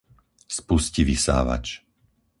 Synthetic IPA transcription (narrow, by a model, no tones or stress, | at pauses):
spusciʋisa̰ːʋa̰t͡ʃ